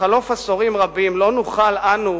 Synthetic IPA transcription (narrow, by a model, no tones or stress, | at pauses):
alo̞fasoʁimʁabimlo̞nuχalanu